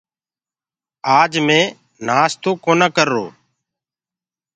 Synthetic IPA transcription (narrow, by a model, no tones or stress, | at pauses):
aːd͡ʒmẽː | naːst̪oːkoːnãːkəɾːo̰ː